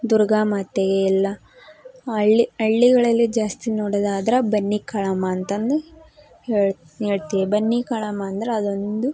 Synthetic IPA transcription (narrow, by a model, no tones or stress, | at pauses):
d̪uɾɡaːmɐt̪eɡeilːɐ | ɐɭːiɐɭːiɡɐɭɐlːid͡ʒaːst̪inoːɽɐd̪aːd̪ɐɾɐbɐnːikɐɭɐmɐːnt̪ɐnd̪u | heːɭ | ɦeːɭt̪iʋibɐnːikɐɭɐmɐːnd̪ɐɾeɐd̪ond̪u